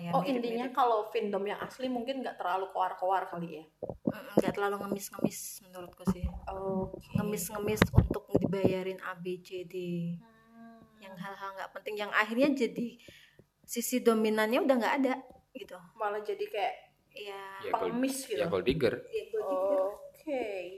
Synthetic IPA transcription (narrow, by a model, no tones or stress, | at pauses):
jaɔindiɲakalofindɔmjaŋʔa̰slimuŋkɪnŋɡaʔt̪ərlalukoarkoarkalija | m̩ʔm̩ɡaʔt̪ərlaluŋəmɪsŋəmɪsmənuɾʊt̪̚kusɪhoŋəmɪsŋəmɪsunt̪ʊk̚dibajaɾɪna̰bed͡ʒedi | jaŋɦalɦalŋɡa̰ʔpənt̪ɪŋjaŋʔa̰hirɲad͡ʒadi | sisidominanɲaudahŋɡaʔːdaɡit̪umalad͡ʒadikajaʔ | ijaapəŋəmɪsɡit̪jakoldiɡərjaɡoiokʰe